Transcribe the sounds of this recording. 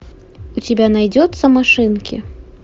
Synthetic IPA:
ut͡sʲabʲanajd͡zʲɔt̪sːɐmaʂɨnkʲḭ

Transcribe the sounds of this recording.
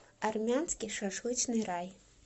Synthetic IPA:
armʲanskʲiʂaʂlɨt͡ʃnɨɾaj

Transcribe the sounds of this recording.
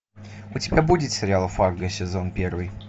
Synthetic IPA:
ʊtʲɪbʲabudʲɪt̪sʲɪɾʲɪalˠfarɡəsʲɪzo̞npʲervɨj

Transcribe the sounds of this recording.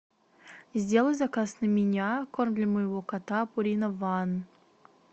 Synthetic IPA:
zʲdʲe̞lˠəjʲzɐkasnəmʲɪnʲakormd̪lʲəməjɪvokat̪apʊɾʲinəvan

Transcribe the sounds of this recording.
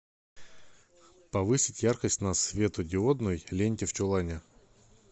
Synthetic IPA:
pɐvɨsʲɪtʲjarkəsʲtʲnɐsvʲe̞t̪ʊdʲɪod̪nʊjlʲenʲtʲɪft͡ɕʊlˠanʲɪ

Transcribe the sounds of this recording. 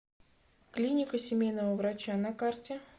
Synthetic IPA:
klʲinʲɪkəsʲɪmʲejnəvəvɾat͡ɕanakartʲɪ

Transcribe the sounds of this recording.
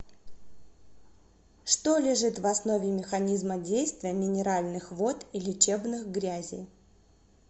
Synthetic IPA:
ʂt̪o̞lʲɪʐɨt̪vɐsno̞vʲɪmʲɪxɐnʲizmədʲejst̪vʲɪjəmʲɪnʲɪɾalʲnɨxvo̞t̪ilʲɪt͡ɕebnɨxɡɾʲæzʲɪ̰j

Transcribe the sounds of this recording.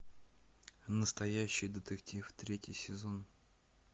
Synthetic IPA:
nəst̪ɐjæɕːɪjd̪ət̪ɨktʲift̪ɾʲetʲɪ̰jsʲɪzo̞n

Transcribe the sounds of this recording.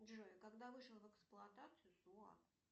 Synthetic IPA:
dʐoɪkaɡd̪avɨʂəlˠvɛksplˠʊɐt̪at̪sɨjʊsua̰

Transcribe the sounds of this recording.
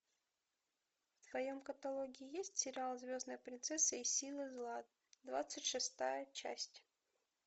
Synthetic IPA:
fsvɐjo̞mkət̪ɐlˠoɡʲɪɪjesʲtʲsʲɪɾʲɪalˠzʲvʲo̞znəjpɾʲɪnt̪sɛsːɨəisʲilˠɨzlˠa | d̪va̰t̪sɨtʲʂɨst̪ajət͡ɕæ̰sʲtʲ

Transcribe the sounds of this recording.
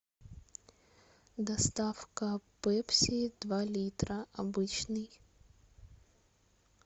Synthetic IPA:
d̪ɐst̪afkəpɛpsʲid̪valʲit̪ɾəʔɐbɨt͡ɕnɨj

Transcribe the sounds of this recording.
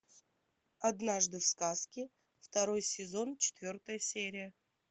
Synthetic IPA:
ɐd̪naʐd̪ɨfskaskʲɪ | ft̪ɐɾo̞jsʲɪzo̞nt͡ʃʰɪ̥t̪vʲo̞rt̪əjəsʲeɾʲɪjə

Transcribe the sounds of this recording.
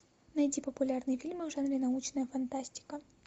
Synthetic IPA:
nɐjdʲipəpʊlʲarnɨjfʲilʲmɨvʐanɾʲɪnɐut͡ɕnəjəfɐnt̪asʲtʲɪ̥kə

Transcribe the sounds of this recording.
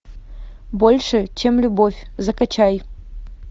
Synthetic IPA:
bolʲʂɨt͡ɕemlʲʊbofʲzɐkɐt͡ɕaj

